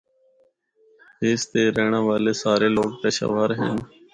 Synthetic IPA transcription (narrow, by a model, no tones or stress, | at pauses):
ɦeːst̪eːɾeːɳ̃ãːʋaːleːsaːɾeːloːk̚peːʃa̰ːʋaːɾɦḛːn